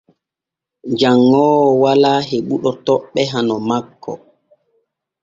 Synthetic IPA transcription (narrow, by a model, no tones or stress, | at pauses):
d͡ʒaŋːɔːwɔwalaːɦeɓuɗɔtɔɓːɛɦanɔmakːɔ̰